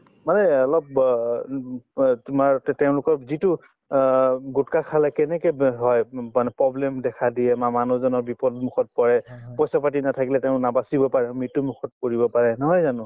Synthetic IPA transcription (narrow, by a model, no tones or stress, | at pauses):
manɛɔlɔp̚ | tumaɹteʊ̃lʊkɔɹzitʊ | ɡutkakʰalɛkɛnɛkɛɦɔjmanɛpɹɔblɛmdɛkʰadiɛmamanuzɔnɔɹbipɔdmukʰɔt̚pɔɹɛpɔjsapatinatʰakilɛteʊ̃nabasibɔpaɹɛmitumukʰɔt̚koɹibɔpaɹɛnɔɦɔjzanʊ̃